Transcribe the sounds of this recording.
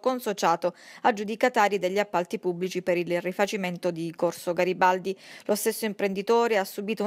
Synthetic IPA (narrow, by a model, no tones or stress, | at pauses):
konsot͡ʃaːt̪oad͡ʒud̪ikat̪aːɾid̪eʎːiapːalt̪ipubːlit͡ʃipeɾilrifat͡ʃiment̪od̪ikorsoɡaɾibald̪ilʔost̪esːoimpɾend̪it̪oːɾeasːubiːt̪ou